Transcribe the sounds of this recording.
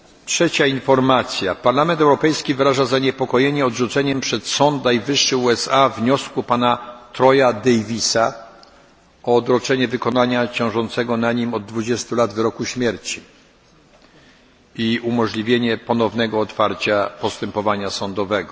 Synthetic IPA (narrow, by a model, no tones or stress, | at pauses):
tʂɛt͡ɕainfɔɾmat̪sʲjapaɾlamɛnt̪ɛwɾɔpɛjskʲivɘɾaʐazaɲɛpɔkɔjeɲɛɔdʐut̪sɛɲɛmpʂɛt̪sɔnt̪najvɘʂːɘuɛsavɲɔskupanat̪ɾɔjad̪ɛjvʲisa | ɔːd̪ɾɔt͡ʂɛɲɛvɘkɔnaɲat͡ɕɔ̃w̃ʐɔnt̪sɛɡɔnaɲimɔd̪̚ːvud͡ʑɛst̪ulad̪vɘɾɔkuɕmʲjɛɾt͡ɕi | iumɔʐlʲivʲjeɲɛpɔnɔvnɛɡɔːt̪faɾt͡ɕapɔst̪ɛmpɔvaɲasɔnd̪ɔvɛɡɔ